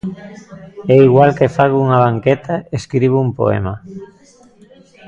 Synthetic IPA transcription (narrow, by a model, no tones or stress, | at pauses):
ɛiɣwalkefaɣuuŋaβ̞aŋket̪aeskɾiβ̞uumpo̰ɛ̰ma